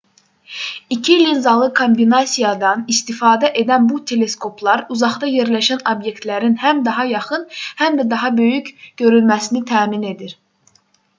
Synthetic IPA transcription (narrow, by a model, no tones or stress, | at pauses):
icʰilinzɑlˠɯkʰo̞mbinɑsijɑd̪ɑnist̪ifɑːd̪æʔe̞d̪ænbut̪ʰe̞le̞skʰo̞pʰlˠɑɾuzɑχt̪ɑje̞ɾlæʃænobje̞kt̪læɾinhæmd̪ɑɦɑjɑχɯnhæmd̪æd̪ɑɦɑbø̞jycɟ̥ø̞ɾylmæsinit̪ʰæːmine̞d̪iɾ